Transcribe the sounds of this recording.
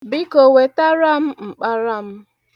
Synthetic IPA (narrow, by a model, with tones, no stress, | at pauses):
bɪ˦ko˨we˨ta˦ɾa˦m̩˦ŋ͡m̩˨k͡pa˦ɾa˦m̩˦